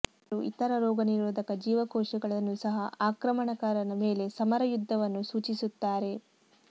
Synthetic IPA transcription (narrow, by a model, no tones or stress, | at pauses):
ɾuʔḭt̪ɐɾɐɾɔːɡɐniɾoːd̪ʱɐkɐd͡ʒiːʋɐkɔːʂɛɡɐɭɐnːusɐɦɐaːkɾɐmɐɳɐkaːɾɐnɐme̞ːle̞sɐmɐɾɐjud̪ʱːɐʋɐnːusuːt͡ʃisut̪ːaːɾe̞